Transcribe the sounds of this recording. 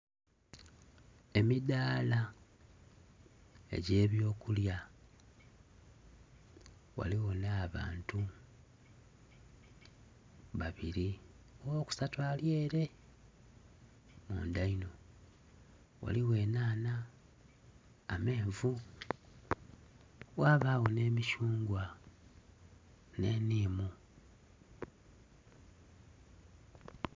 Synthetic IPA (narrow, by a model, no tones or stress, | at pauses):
e̞midaːla | ḛɟe̞ːβjo̞ːkulja | wa̰liwo̞naːβa̰ːntu | βaβiɾi | owoːku̥satwaːlje̞ːɾe̞ | mṵːndaino̞ | wa̰liwe̞ːnaːna | me̞ːɱvu | waːβaːɣo̞ne̞ːmiʃuːŋɡwa | ne̞ːniːmu